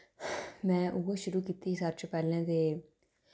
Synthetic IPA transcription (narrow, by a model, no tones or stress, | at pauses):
mɛ̃ːʔʊɡoːʃʊɾuːkiːt̪isaɾt͡ʃpɛːlɛ̃ːt̪eː